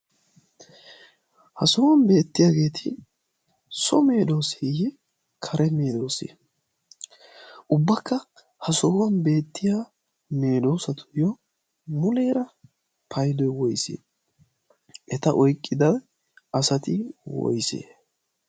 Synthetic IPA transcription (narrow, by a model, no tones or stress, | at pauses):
hɐsɔwɐnbe̞ːt̪ːɪjaːɡe̞ːt̪ʰɪ | sɔme̞ːd̪o̞ːsejɛ | kʰɐɾɛme̞ːd̪o̞ːsḛ | ʔʊbːɐkːɐ | hɐsɔwɐnbe̞ːt̪ːɪjaː | me̞ːd̪o̞ːsɐt̪ʊ̥jɔ | mʊleːɾɐ | pʰɐjd̪ɔjwɔjsḛː | ʔɛt̪ɐʔɔjkʼːɪd̪ɐ | ɐsɐt̪ɪwɔ̰jsḛː